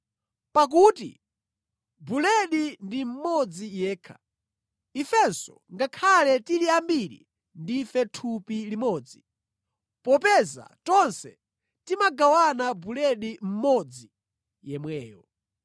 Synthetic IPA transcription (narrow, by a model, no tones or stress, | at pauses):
pak̬uːtḭ | bulɛɗindim̩mɔd͡zijɛːkʰḁ̰ | ifɛnsɔ̰ | ŋɡakʰalɛtiliambiɾḭ | ndifɛtʰupilimɔːd͡zi | pɔpɛza̰tɔnsɛ̰ | timaɡawanabulɛɗim̩mɔd͡zi | jɛmwɛːjɔ